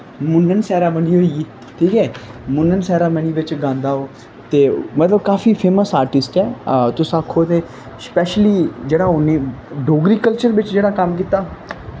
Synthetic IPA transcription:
mʊnːənsɛːɾaːbəniːɦoːi | ʈʰiːkɛːmʊnːənsɛːɾaːməñiːʋɪt͡ʃɡãːnd̪aːoː | t̪eːmət̪ləb̚kaːfiːpʰeːməsaːɾʈɪsʈɛːt̪ʊsaːkʰːoːt̪eː | spɛːʃliːd͡ʒeːɽaːʊnːeːɖoːɡɾiːkəlt͡ʃəɾʋɪt͡ʃd͡ʒeːɽaːkəmkiːt̪aː

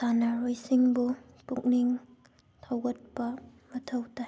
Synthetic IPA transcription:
sanaɾojsiŋbu | puk̚niŋ | tʰawɡɐt̚pɐmɐtʰɐwta

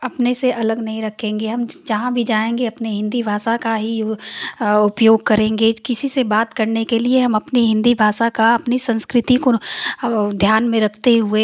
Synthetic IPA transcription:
ɐpneseʔɐləɡnɐɦĩɾɐkʰẽːŋɡeɦɐmd͡ʒɐɦãbʱid͡ʒaːẽːŋɡeɐpneɦɪ̃nd̪ibʱaːsakaɦi | ʊpjoːɡ̚kɐɾẽːŋɡekɪsisebaːt̪kɐɾnekelieɦɐmɐpniɦɪ̃nd̪ibʱaːsakaɐpnisɐ̃nskɾɪt̪iko | d̪ʱjaːnmẽɾɐkʰt̪eɦʊe

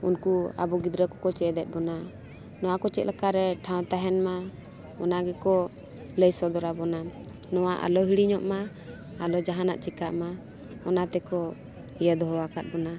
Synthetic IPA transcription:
unkua̰bɔɡid̪ɾəkɔkɔt͡ʃɛd̪ɛt̪̚bɔna | nɔwakɔt͡ʃɛt̪̚lakaɾɛʈʰãw̃t̪aɦɛnma | ɔnaɡɛkɔ | ləjsɔd̪ɔɾabɔna | nɔwaʔa̰lɔɦiɽiɲɔʔma | alɔd͡ʒaɦana̰ʔt͡ʃikaʔma | ɔnat̪ɛkɔ | ijəd̪ɔɦɔwakat̪̚bɔna

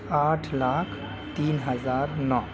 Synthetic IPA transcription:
aːʈʰlaːkʰ | t̪iːnɦəzaːɾnɔː

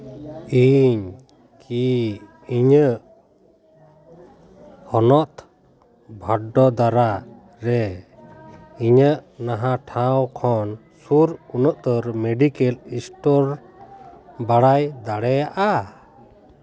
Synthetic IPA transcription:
iɲ | kʰi | iɲəʔ | hɔnɔt̪ | bʱaɖɔd̪aɾa | ɾɛ | iɲəʔnaɦãʈʰãwkʰɔn | suɾunəʔt̪əɾmeɖikɛlisʈɔɾ | baɽajd̪aɽɛjaʔa

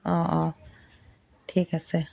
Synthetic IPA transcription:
ʔɔːʔɔː | tʰiːkase

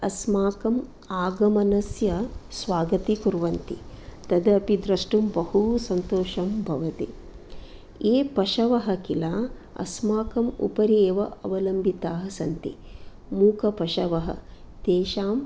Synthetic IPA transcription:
ɐsmaːkɐm | aːɡɐmɐnɐsjɐsʋaːɡɐt̪ikuɾʋɐnt̪ḭt̪ɐd̪ɐɐpid̪ɾɐʂʈumbɐhusɐnt̪oːʃɐmbʱɐʋɐt̪ḭ | eːpɐʃɐʋɐɦɐkilaː | ɐ̰smaːkɐmṵpɐɾjeːʋɐɐʋɐlɐmbʱit̪aːɦɐsɐnt̪ḭ | muːkʰɐpɐʃɐʋɐɦɐ̰ | t̪eːʃaːm

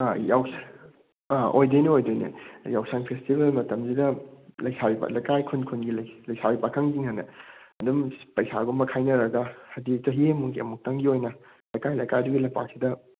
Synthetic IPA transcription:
ajaws | ʔojdojniojdojnḭjawsaŋpʰestibelmɐtɐmzidɐlɐjsaɾiba̰lɐjkajkʰunkʰunɡilɐlɐjsaɾipakʰɐŋziŋhɐnːɐ̰ɐdumpɐjsaɡomɐkʰajnɐɾɐɡɐhɐdit͡ʃɐɦiɐmuɡiɐ̰muk̚tɐŋɡiojnɐ | lɐjkajlɐjkajduɡilɐpa̰k̚sidɐ

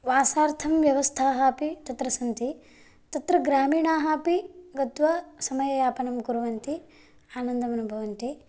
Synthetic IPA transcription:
ʋaːsaːɾt̪ʰɐmʋjɐʋɐst̪ʰaːɦaːpit̪ɐt̪ɾɐsɐnt̪i | t̪ɐt̪ɾɐɡɾaːmiːɳaːɦaːpiɡɐt̪ʋɐsɐmɐjɐjaːpɐnɐmɡuɾɐʋɐnt̪i | aːnɐnd̪ɐmɐnubʱɐʋɐnt̪i

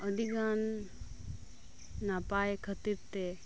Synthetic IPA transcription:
əd̪ʱiɡan | apajekʰət̪iɾt̪e

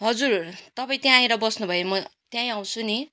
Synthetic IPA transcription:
ɦʌd͡zurt̪ʌpaĩt̪jãĩɾʌbʌsnubʱʌjomʌt̪jãĩaw̃t͡sʰuni

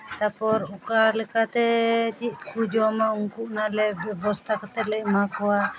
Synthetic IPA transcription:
t̪apɔɾukalɛkat̪ɛt͡ʃit̪̚kud͡ʒɔmauŋkuʔnalɛbɛbɔst̪ʰakɔt̪ɛlɛʔ̚makɔwa

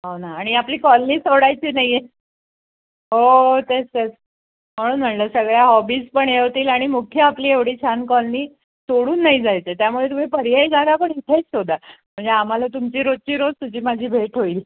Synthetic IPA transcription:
ɦonaːɽ̃iapliːkɔlniːsoɽajt͡ɕiːnaɦje | ɦot̪est̪et͡s | m̤əɽ̃uːnm̤əɳləːsəɡɭjaɦɔbiːspəɳjeɦot̪iːlaɽ̃imukʰjəapliːeʋɽiːt͡ɕʰankɔlniː | soɽuːnːaɦid͡zajt͡set̪jamuɭet̪um̤iːpəɾiɦəjd͡zʱalapəɳɦit̪ʰet͡ssod̪ʱam̤əɳd͡zeam̤alat̪umt͡ɕiːɾod̪̚t͡ɕiːɾod͡zt̪ud͡ʑiːmad͡ʑʱiːbʱeʈʰɦoil

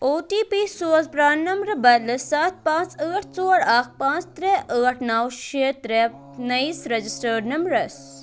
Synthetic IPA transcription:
oːt̪iːpiːsoːzpɾaːnːɐmɾɐbɐlɨsaːt̪̚pãːt͡səːʈʰt͡soːɾakpãːt͡st̪ɾɛːʔəːʈʰnɐwʃeːt̪ɾe | nɐisɾɐd͡ʒisʈəːɾnɐmbɾɐs

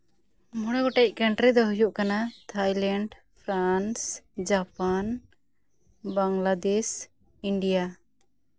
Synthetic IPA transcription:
mɔɽ̃ɛɡɔʈɛc̚ˀkaɳʈɾid̪ɔɦujuʔkanat̪ʰajlɛɳɖ | pʰɾansd͡ʒapan | baŋlad̪es | iɳɖija

